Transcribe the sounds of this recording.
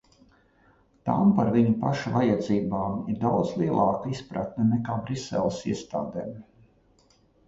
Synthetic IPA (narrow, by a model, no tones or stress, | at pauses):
t̪a̰mpaɾviɲupaʃuvajad̪ziːbaːmiɾd̪awd̪zlˠiɛlˠʔɑːkaispɾa̰t̪nɐnɛkaːbɾisɛ̰lˠsiɛst̪a̰ːd̪eːm